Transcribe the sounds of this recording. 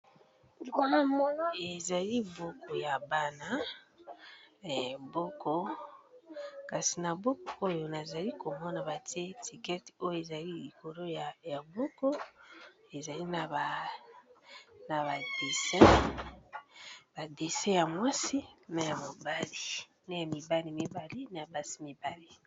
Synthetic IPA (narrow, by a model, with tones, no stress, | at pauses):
a˨mo˦n˦e˨za˨li˦bo˦ko˨ja˨ba˦na˨˦˨ | bo˦ko˦ | ka˨si˨na˨bo˦ko˨o˦jo˨na˨za˨li˦ko˨mo˦na˨βa˨te˦tʰi˨kɛ˦ti̥˨o˦jo˦e˨za˨li˦i˨ko˨ɾo˦ja˨ja˨bo˦ko˦ | e˨za˨li˦na˨ba˨ | na˨ba˨d̥e˨se˦ | b̥a˨de˨se˦ja˨mwa˦si˦na˦ja˨mo˨ba˦li˨ | na˦ja˨mi˨ba˦li˨mi˦ba˨li˦na˨a˨ba˦si̥˦mi˨ba˦li˦